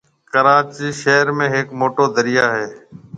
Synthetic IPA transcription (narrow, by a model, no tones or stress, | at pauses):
kəɾaːt͡ʃiːʃeːɾmẽːɦɪkmoːʈoːd̪əɾɪjaːɦeː